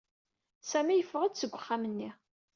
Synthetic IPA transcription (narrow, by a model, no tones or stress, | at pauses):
sæmijəfʁˤəd̪səɡʷːəχːamənːi